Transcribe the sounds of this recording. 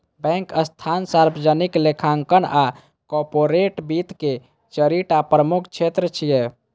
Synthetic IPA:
bɛ̃ŋkəst̪ʰansaɾbəd͡ʒəniklekʰaŋkəna | kɔɾpoɾeʈbit̪ke | t͡ʃəɾiʈapɾəmukʰt͡ʃʰet̪ɾət͡ʃʰijɛ

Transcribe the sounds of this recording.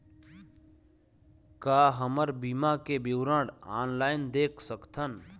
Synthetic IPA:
kaːɦəməɾbimãkebiwɾə̃ːɽaːnlaːɪnd̪eːkʰsəkt̪ʰən

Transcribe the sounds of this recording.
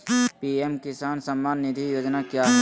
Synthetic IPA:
piemkɪsaːnsəmːaːnːɪd̪ʱijoːd͡ʒnakja

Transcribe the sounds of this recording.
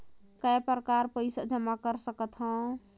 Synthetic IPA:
kaepɾəkaɾpəjsad͡ʒəmakəɾsəkət̪ɦə̃

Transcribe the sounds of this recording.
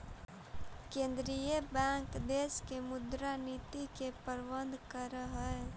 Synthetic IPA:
kẽːnd̪ɾijəbɛ̃ŋkd̪eskemʊd̪ɾanit̪ikepəɾbənd̪ʱkəɾəɦɛ

